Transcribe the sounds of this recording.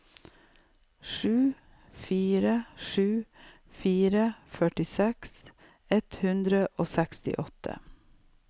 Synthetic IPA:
ʃʉː | fiːɾəʃʉː | fiːɾəfœʈɪsɛks | ɛt̪hʉnd̪ɾəʔoːsækst̪ɪ̰ʔɔt̪ʰə̰

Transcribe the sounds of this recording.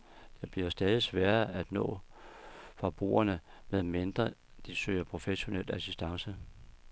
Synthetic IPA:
d̥eb̥liɐsd̥ɛːð̞ˠisʋæːɐæd̥nɔ̰̽ː | fɒ̽b̥ʁṵːɐnəmeðˠmend̥ʁɐ | d̥isø̰ːɐpʰʁo̝feɕo̝nelæsisd̥ɑ̈ŋsə

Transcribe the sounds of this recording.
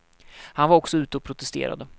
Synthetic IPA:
hanvaɾɔksɔʉ̟ːt̪əɔpʰɾʊt̪ʰɛst̪ḛːɾa̰d̪ə

